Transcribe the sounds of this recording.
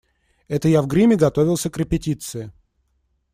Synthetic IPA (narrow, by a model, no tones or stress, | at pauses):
ɛt̪əjavɡɾʲimʲɪɡɐt̪o̞vʲɪlˠsʲəkɾʲɪpʲɪtʲit̪sɨɪ